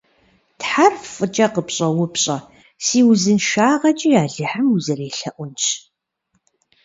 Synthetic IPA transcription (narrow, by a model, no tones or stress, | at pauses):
tħarffʼɨt͡ʃʼɐqəpɕʼɐwʊpɕʼɐ | siːwʊzɨnʃaːʁɐt͡ʃʼijaːɮɨħəmuzɐreːɬɐʔʷʊnt͡ʃʰ